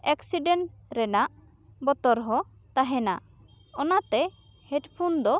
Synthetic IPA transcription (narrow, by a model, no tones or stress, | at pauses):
ɛksiɖeɳʈɾɛnaʔ | bɔt̪ɔɾɦɔt̪aɦɛna | ɔnat̪ɛ | hɛʈpʰund̪ɔ